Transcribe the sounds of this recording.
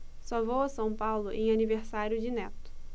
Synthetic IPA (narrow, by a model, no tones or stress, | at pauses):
sɔvowɐsɐ̃w̃pawlʊʔẽj̃aniveɾsaɾjʊd͡ʒɪnɛt̪ʊ̥